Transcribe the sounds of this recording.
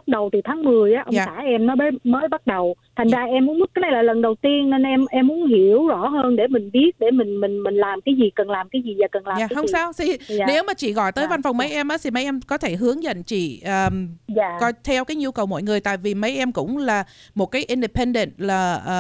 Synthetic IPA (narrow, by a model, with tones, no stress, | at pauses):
t̚ɗə˨˩wt̪ʰi˨˩t̪ʰaː˨˦ŋmɨ˨˩əjʔaː˨˦ʔə˧waː˨saː˧˩ʔɛ˧mnɔ˨˦jɓəː˨˦məː˨˦jɓa˦˥t̚ɗə˨˩w | t̪ʰa˨˩jŋ̟zaː˧ʔɛ˧mːu˨˦ənmɨ˦˥kaː˨˦na˨˩jlaː˨˩lə˨˩nɗə˨˩wt̪i˧ənːe˧nʔɛ˧mʔɛ˧mːu˨˦ənhi˧˩əwzɔ˧˩ɦəː˧nɗe˧˩mï˨˩ŋ̟ɓi˦˥ət̚ɗe˧˩mï˨˩ŋ̟mï˨˩ŋ̟mï˨˩ŋ̟laː˨˩mkaː˨˦jzi˨˩kə˨˩nlaː˨˩mkaː˨˦jzi˨˩zaː˨˩kə˨˩nlaː˨aː˨˩˦hə˧ŋ͡msaː˧wt̪ʰi˨˩˨ne˨˦wmaː˨˩t͡ɕḭ˧˨ɣɔ̰˧˨jt̪əː˨˦jva˧nfa˨˩wŋ͡mmə˨˦jʔɛ˧mʔaː˨˦t̪ʰi˨˩mə˨˦jʔɛ˧mkɔ˨˦t̪ʰe˧˩ɦɨ˨˦əŋzə̰˧˨nt͡ɕḭ˧˨ʔəː˨˩zaː˧˨kɔ˨˦t̪ʰɛ˧wkaː˨˦jɲu˧wkə˨˩wmɔ̰˧˨jŋɨ˨˩əjt̪a̰ː˧˨jvi˨˩mə˨˦jʔɛ˧mkʊ̰˧˥ŋ͡mlaː˨˩mo˨˩t̚kaː˨˦jʔi˧nɗe˨˩pe˧nɗə̰˧˨nt̚laː˨˩ʔː